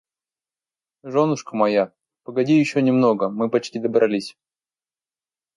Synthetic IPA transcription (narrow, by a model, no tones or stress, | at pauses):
ʐonʊʂkəmɐja | pəɡɐdʲijɪɕːonʲɪmno̞ɡəmɨpɐt͡ɕtʲid̪əbɾʔɐlʲisʲ